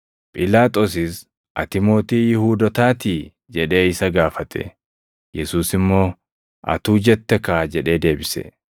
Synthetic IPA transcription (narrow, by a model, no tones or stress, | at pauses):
pʼɪlaːt̪ʼos̬ɪs | ʔɐt̪ɪmo̞ːt̪iːjɪhuːd̪ɔt̪aːt̪i | d͡ʒɛᶑe̞ːɪsɐɡaːfɐt̪ʰɛ̰ | jɛsuːsɪmːo̞ː | ʔɐ̰t̪uːd͡ʒɛt̪ːɛkaːd͡ʒɛᶑe̞ːd̪e̞ːbɪsɛ̰